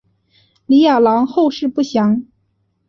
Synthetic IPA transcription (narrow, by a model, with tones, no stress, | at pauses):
li˧˥ja˨˩lɑ˧˥ŋxo˥˧ʊʂɻ̩˥˧pu˥˩ɕjɑ˧˥ŋ